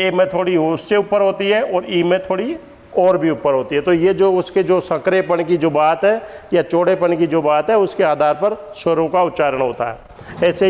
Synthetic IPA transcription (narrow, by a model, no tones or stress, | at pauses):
eːmẽt̪ʰoːɽiɦosseʊpːəɾɦoːt̪iɦɛɔːɾiːmẽt̪ʰoːɽi | ɔːɾbʱiʊpːəɾɦoːt̪iɦɛt̪ojed͡ʒoːʊsked͡ʒoːsɐ̃kɾepəɳkid͡ʒoːbaːt̪ɦɛːjat͡ʃoːɽepəɳkid͡ʒoːbaːt̪ɦɛʊskeaːd̪ʱaːɾpɐɾsəɾõkaʊt̪ːt͡ʃaːɾəɽ̃ɦo̰ːt̪a̰ɦɛ̰ː | ɛːse